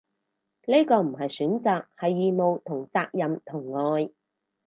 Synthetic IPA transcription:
ne˥jkɔː˧m̩˨˩ɦɐ˨jsyː˨˥nt͡saː˨k̚hɐ˨jːiː˨˧mo˨˧wt̪ʰʊ˨˩ŋt͡saː˧k̚jɐ˨mt̪ʰʊ˨˩ŋːɔː˧j

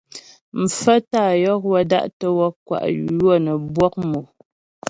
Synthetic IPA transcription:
m̩˨fə˦taː˦˨jɔ˦k̚wɔ˦da̰˦ʔtə˦wɔ˦kwa̰˨ʔjwɔ˦˨nə˨bwɔ˦k̚mo˨

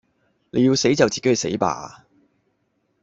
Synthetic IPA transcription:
ne˨˧ji˧wse˨˥jt͡sɐ˨wt͡siː˨ke˥hsḛ˨˥jpa̰ː˨˧

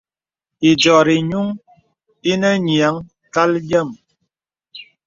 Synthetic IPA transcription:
i˨d͡ʒɔ˨ɾi˨ɲu˦ŋ | i˦nə˦ɲi˨a˨˦ŋ | ka˦ljə˦˨m

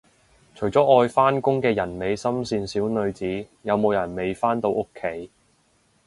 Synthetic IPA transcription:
t͡ʃʰɵ˨˩t͡sɔː˨˥ʔɔː˧jfaː˥nkʊ˥ŋkɛː˧jɐ˨˩nme˨˧jsɐ˥msiː˧nsiː˨˥wnɵ˧ɥt͡siː˨˥ | jɐ˨˧wmo˨˧wjɐ˨˩nme˨jfaː˥nt̪o˧wʔʊ˥kʰːe˨˥j

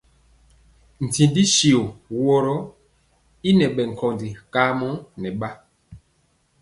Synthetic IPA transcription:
n̩˨tĩ˨di˦ʃi˨o˨wɔ˦ɾɔ˦ | i˦nɛ˨ɓɛ˨ŋ̩˨kʰɔ˨ndi˨ka˨˦mɔ˦nɛ˨ɓa˦

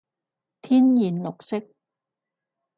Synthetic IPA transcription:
t̪ʰiː˥njiː˨˩nlʊ˨k̚sɪ˥k̚

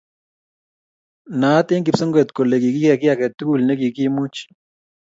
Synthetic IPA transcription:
na˨˦tɪ˦ŋkɪ˨psɔ˦ŋɡɛ˨t̪ko˨le˨ki˨kɪ˦kɛ˨kɪ˦a˨kɛ˨tu˦ɡu˦˨lne˦ki˨ki˦mu˦t͡ʃ

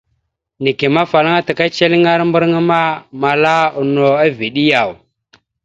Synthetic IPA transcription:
ni˨ki˨ma˦fa˨la˦ŋa˦ta˨ka˦t͡ʃe˦li˦ŋa˦ɾmbu˦ɾŋa˦ma˦ma˨la˦u˨no˨a˦vi˨ɗi˦ja˨w

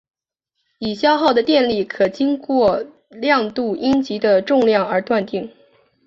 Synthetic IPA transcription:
i˨˩ɕjɑ˥ʊxɑ˥˩ʊd̪ə˩t̪jɛ˥˧nli˥˩kʰɤ˨˩t͡ɕi˥ŋkwɔ˥˧ | ljɑ˥˧ŋt̪u˥˩ʔi˥nt͡ɕi˧˥d̪ə˧ʈ͡ʂʊ˥˧ŋljɑ˥˩ŋə˞˧˥t̪wa˥˧nt̪i˥˩ŋ

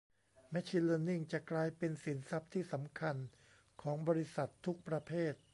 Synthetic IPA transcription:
mɛ˦˥t͡ɕʰi˧ləː˧ni˥˩ŋt͡ɕa˨˩ʔklaː˧jpe˧nsi˩˦nsa˦˥p̚t̪ʰiː˥˩sa˩˦mkʰa˧n | kʰɔː˩˦ŋbɔː˧ɾi˦˥sa˨˩t̪ʰːu˦˥k̚pɾa˧pʰeː˥˩t̪̚

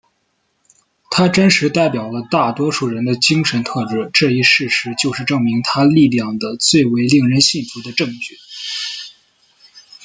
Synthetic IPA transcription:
t̪ʰa˥ʈ͡ʂə˥nʂɻ̩˧˥t̪a˥˩ɪpjɑ˨˩ʊlə˦t̪a˥˩t̪wɔ˥ʂu˥˩ɻə˧˥nd̪ə˧t͡ɕi˥ŋʂə˧˥nt̪ʰɤ˥˧ʈ͡ʂɻ̩˥ʈ͡ʂɤ˥˧i˥˩ʂɻ̩˥˩ʂɻ̩˧˥t͡ɕjo˥˧ʊʂɻ̩˥˧ʈ͡ʂɤ˥˩ŋmi˧˥ŋt̪ʰa˥li˥˧ljɑ˥˩ŋd̪ə˦t͡swe˥˩ɪwe˧˥ɪli˥˩ŋɻə˧˥nɕi˥˩nfu˧˥d̪ə˧ʈ͡ʂɤ˥˧ŋt͡ɕy˥˩

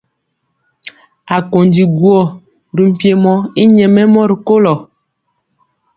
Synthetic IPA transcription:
a˨ko˨ndi˨ɡwɔ˦˨ | ɾi˨m̩˨pje˦mɔ˦i˦ɲɛ˨mɛ˦mɔ˦ɾi˨ko˦lɔ˨

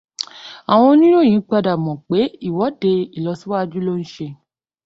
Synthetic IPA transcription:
a˨w̃ɔ̃˧˦nĩ˦ɾo˦˨j̃ĩ˨˦k͡pa˧da˨mɔ̃˨k͡pe˨˦i˦˨wɔ˨˦de˧i˨lɔ˧si˦wa˦˧d͡ʒu˦lo˦n̩˦ʃe˧

